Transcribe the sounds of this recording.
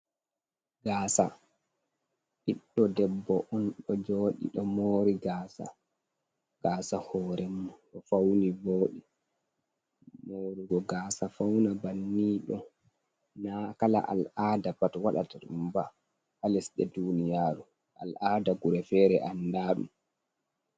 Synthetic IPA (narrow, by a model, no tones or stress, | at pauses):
ɡaːsa | ʔiɗːɔdɛbːɔʔɔnɗɔd͡ʒoːɗḭɗɔmoːɾiɡaːsa̰ | ɡ̥aːsahɔːɾɛmɔɗɔfawniboːɗi | moːɾiɡɔɡaːsafawnabanːiːɗɔ | nakala̰ʔa̰laːdabatwaɗa̰taɗumba | halɛsɗɛ̰dunijaːɾu | ʔa̰laːdaɡuɾɛfɛːɾɛʔandaːɗṵm